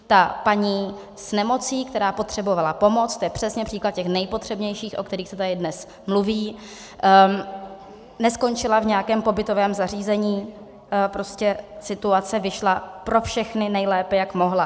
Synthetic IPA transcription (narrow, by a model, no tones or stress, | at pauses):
t̪apaɲiː | snɛmo̞t͡siːkt̪ɛɾaːpo̞t̪r̥ɛbo̞valapo̞mo̞t͡st̪ojɛpr̝̥ɛsɲɛpr̥iːklat̪̚cɛxnɛjpo̞t̪r̝̥ɛbɲɛjʃiːxʔo̞̰kt̪ɛɾiːxsɛt̪adɪdnɛs | mluviː | nɛsko̞nt͡ʃɪlavɲɛjakɛːmpo̞bɪt̪o̞vɛːmzariːzɛɲiː | pɾo̞scɛsɪt̪uat͡sɛvɪʃlapɾo̞fʃɛxnɪnɛjlɛːpɛjakmo̞ɦla